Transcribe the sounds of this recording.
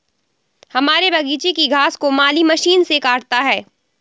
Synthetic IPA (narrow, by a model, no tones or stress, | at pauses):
hɐmaːɾebʱɐɡiːt͡ʃekiɡʱaːskomaːlimɐʃiːnsekaːɽt̪aɦɛː